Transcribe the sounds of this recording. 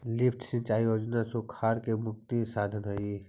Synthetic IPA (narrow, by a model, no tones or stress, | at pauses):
lɪpʰʈsə̃nt͡ʃaːijoːd͡ʒnasokʰaːɾkemʊk̚t̪isaːd̪ʱənɦoi